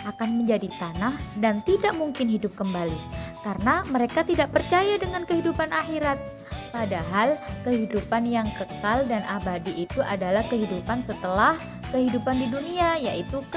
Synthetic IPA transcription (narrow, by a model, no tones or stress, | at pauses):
akanməɲd͡ʒadit̪anahdant̪idaʔmuŋkɪnɦidʊp̚kəmbalikarənaməɾekat̪idaʔpərt͡ʃajadəŋankəɦidupanʔaxiɾat̪̚ | padaɦalkəɦidupanjaŋkəkaldanʔabadiʔːt̪uʔadalahkəɦidupansət̪əlah | kəɦidupandiduniajaʔit̪u